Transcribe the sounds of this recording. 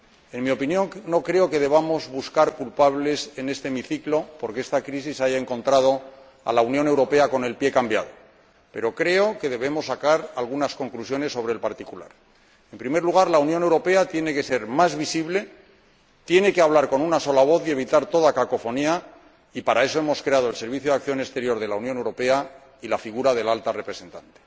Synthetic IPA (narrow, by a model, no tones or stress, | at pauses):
e̞nmio̞pinjo̞ŋno̞kɾe̞oke̞ðe̞β̞amo̞zβuskaɾkulpaβle̞se̞ne̞st̪eːmiθiklo̞po̞ɾkeest̪akɾisisaʝae̞ŋko̞nt̪ɾað̞o̞ | a̰launjõ̞ne̞wɾo̞pe̞ako̞ne̞lpje̞kambja̰ð̞o̞̰ | pe̞ɾo̞kɾe̞o̞ke̞ð̞e̞βe̞mo̞sːakaɾalɣunasko̞ŋklusjo̞ne̞sːo̞β̞ɾe̞lpaɾt̪ikula̰ɾ | e̞mpɾime̞ɾluɣ̞aɾlaunjo̞newɾo̞pe̞at̪je̞ne̞ke̞se̞ɾmazβisiβle̞ | t̪je̞ne̞keaβlaɾko̞nunaso̞laβ̞o̞θie̞β̞it̪aɾt̪o̞ðakako̞fo̞nia | ipaɾae̞so̞e̞mo̞skɾe̞aðoelse̞ɾβiθjo̞ðakθjo̞nest̪e̞ɾjo̞ɾðe̞launjonewɾo̞pe̞a | ilafiɣ̞uɾaðe̞lalt̪arepɾe̞se̞nt̪ant̪e̥